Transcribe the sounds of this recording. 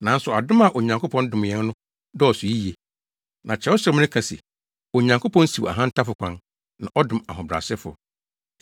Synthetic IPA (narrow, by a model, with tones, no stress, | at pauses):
nã˨˦n˦sʊ˨a˨dʊ̃˦ma˨ʔo˨ɲã˨ŋkʰʊ˦pʰɔ̃˦n˦dʊ̃˨m˨jɛ̃˦n˦nʊ̃˦ | dɔ˦ɔ˨sʊ˨ji˦je˨ | nã˨t͡ɕʰɛ˨˦ɔ˦ɕɾɛ˦m˦nɪ̃˦kʰa˨sḭ˨ | o˨ɲã˨ŋkʰo˦pʰɔ̃˦n˦si˨a̰˨ɦã˦n̩˦tʰa˦fʊ˨kʷʰã̰˦n | nã˨ʔɔ˦dʊ̃˨ma˨ɦʊ̃˨bɾa̰˨sɛ˦fʊ̰˨